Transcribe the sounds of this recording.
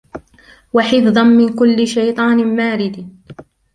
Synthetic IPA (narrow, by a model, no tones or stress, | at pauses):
waħɪfðˤɑnmɪnkʊlːɪʃajt̪ˤɑːnmaːɾɪd̪